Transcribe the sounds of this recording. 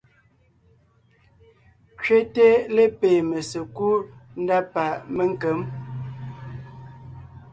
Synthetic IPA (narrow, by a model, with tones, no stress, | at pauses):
t͡ʃɥe˦te˦le˦pe˨mə˨sə˨ku˦n̩˦da˦pa˨ʔmə˦ŋ˦kə˨˦m